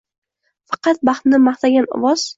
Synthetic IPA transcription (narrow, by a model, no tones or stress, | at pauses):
fɑqɑt̪̚bɑχt̪nɪmɑχt̪ʰaɡʲanɒ̰vɒz̥